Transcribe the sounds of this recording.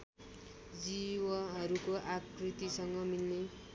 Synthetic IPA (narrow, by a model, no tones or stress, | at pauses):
d͡ziwʌɦʌɾukoʔakrit̪isʌŋɡʌmilne